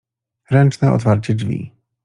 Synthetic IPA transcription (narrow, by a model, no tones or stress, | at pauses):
ɾɛnt͡ʂnɛʔɔ̰t̪faɾt͡ɕɛd͡ʐvʲḭ